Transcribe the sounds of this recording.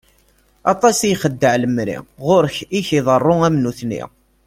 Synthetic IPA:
ɑ̰t̪ˤɑsijχəd̪ːəʕləmɾḭʁʊɾəçiçiðˤərˤːʊæmnuθnḭ

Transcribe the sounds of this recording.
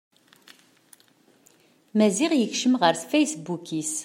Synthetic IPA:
mæzɪʁjəçʃəmʁəɾθfæjsbukis

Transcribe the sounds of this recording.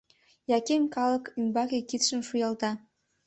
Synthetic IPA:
jɑkemkɑləkymbɑkekit̪ʃə̆mʃujɑlt̪ɑ

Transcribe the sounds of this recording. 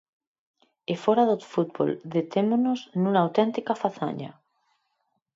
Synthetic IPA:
efoɾaðot̪fut̪̚βo̰ld̪et̪emonoznuŋaːwt̪ent̪ikafaθa̰ɲa̰

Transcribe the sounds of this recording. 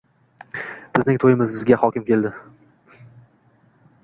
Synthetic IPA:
b̥ɪznɪŋt̪ʰojɪmɪzɪzɡʲahɒkʲɪmkʲʰe̞lˠd̪ɪ

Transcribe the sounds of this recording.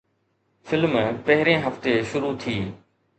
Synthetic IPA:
fɪlmpɐɦɪɾẽɦɐft̪eʃʊɾut̪ʰiː

